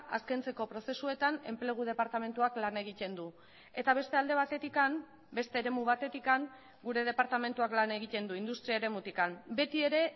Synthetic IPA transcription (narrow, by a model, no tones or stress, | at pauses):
askejnt͡se̞ko̞pɾo̞se̞sue̞t̪ane̞mple̞ɣ̞uð̞e̞paɾt̪ame̞nt̪uaklane̞ɣ̞it̪e̞nd̪u | e̞t̪aβ̞e̞st̪e̞ald̪e̞β̞at̪e̞t̪ikam | be̞st̪e̞ːɾe̞muβ̞at̪e̞t̪ikaŋ | ɡuɾe̞ð̞e̞paɾt̪ame̞nt̪uaklane̞ɣit̪e̞nd̪uind̪ust̪ɾiaeɾemut̪ikambe̞t̪ie̞ɾe̞